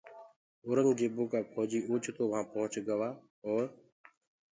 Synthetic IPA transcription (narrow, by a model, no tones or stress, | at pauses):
ʊɾəŋd͡ʒeːbʊːkaːpʰɔːd͡ʒiːʔuːt͡ʃt̪oːʋãːpəɦʊ̃t͡ʃɡəʋaː | ɔːɾ